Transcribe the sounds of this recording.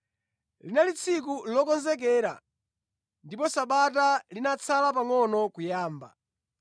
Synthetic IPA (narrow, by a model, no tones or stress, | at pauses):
linalit͡sʰik̬ulɔkɔnzɛk̬ɛːɾa̰ | ndipɔsaɓatalinat͡sʰalap̬aŋɔnɔkujaːmba̰